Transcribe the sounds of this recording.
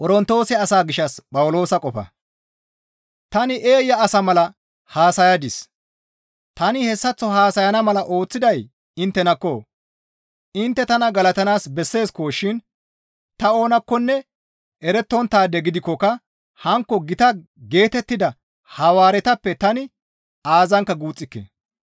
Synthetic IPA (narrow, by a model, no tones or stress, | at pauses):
kʼɔɾɔnt̪ːo̞ːsɛɐsaːɡɪʃːɐspʼɐwʊlo̞ːsɐkʼɔfɐ̰ | t̪ɐnɪʔe̞ːjːɐːsɐmɐlɐ | haːsɐjɐd̪ɪs | t̪ɐnɪhɛsːɐt͡sːɔɦaːsɐjɐnɐmɐlɐʔo̞ːt͡sːɪd̪ɐj | ɪnt̪ːɛnɐkːo | ɪnt̪ːɛt̪ɐnɐɡɐlɐt̪ɐnaːsbɛsːe̞ːskoːʃɪn | t̪ɐo̞ːnɐkːɔnːɛ | ɛɾɛt̪ːɔnt̪aːd̪ɛɡɪd̪ɪkːɔkɐ | hɐŋkːɔɡɪt̪ɐ | ɡe̞ːt̪ɛt̪ːɪd̪ɐ | hɐwaːɾɛt̪ɐpːɛt̪ɐnɪ | aːzɐŋkːɐɡuːt͡sʼːɪkːḛ